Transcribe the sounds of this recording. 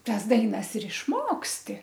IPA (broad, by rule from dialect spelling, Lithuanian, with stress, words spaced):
ˈtɐs ˈdɐɪnɐs ɪr ɪʃˈmoːksʲtʲɪ